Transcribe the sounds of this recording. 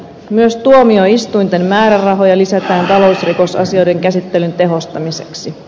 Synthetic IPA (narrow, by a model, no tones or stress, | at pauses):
myøst̪uomio̞ist̪ujnt̪e̞mmæːɾærɑɦojɑlisæt̪æːnt̪ɑlo̞usriko̞sɑ̰sio̞jde̞ŋkæsit̪ːelynt̪e̞ɦo̞st̪ɑmise̞̥̰ksi